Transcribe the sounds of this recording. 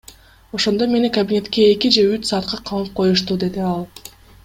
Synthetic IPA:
o̞ʃo̞nd̪ome̞nikɐbʲinʲe̞t̪ke̞ːkid͡ʒe̞yt͡ʃsɑːt̪qʰɑqʰɑmˠɯp̚qʰo̞juʃt̪ud̪e̞d̪iɑlˠ

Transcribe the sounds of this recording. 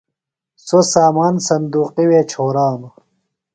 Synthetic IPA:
sosaːmaːnsɐnd̪uːqiweːt͡ɕʰoːɾaːnu

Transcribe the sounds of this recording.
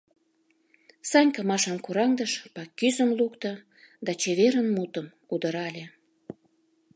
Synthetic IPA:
sɑnʲkəmɑʃɑmkuɾɑŋd̪əʃpɑkːyzəmlukt̪ə̆ | d̪ɑt͡ɕeβeɾənmut̪əmkud̪əɾɑlʲe

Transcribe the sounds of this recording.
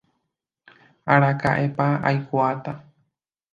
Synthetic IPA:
aɾaka̰ʔepaa̰jkuat̪a

